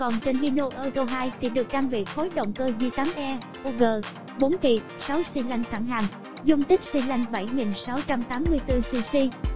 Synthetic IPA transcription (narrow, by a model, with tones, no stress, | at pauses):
kɔ˨˩nt͡ɕe˧nli˧no˧ʔəː˧zo˧ɦaː˧jt̪ʰḭ˧˩˥ɗɨ˨˩ək̚ɗaː˧ŋvḭ˧˨xo˨˦jɗə̰˧˨wŋ͡mkəː˧zɨ˧k̪aː˨˦mʔɛ˧ | ʔo˧ɣəː˨˩ | ɓo˨˦nkḭ˧˨ | sa˨˦wsi˧la˧jŋ̟t̪ʰa˧˩ŋɦaː˨˩ŋ | zʊ˧ŋ͡mt̪ï˦˥k̟̚si˧la˧jŋ̟ɓa˧˩jŋi˨˩nsa˨˦wt͡ɕa˧mt̪aː˨˦mːɨ˧əjt̪ɨ˧si˧si˧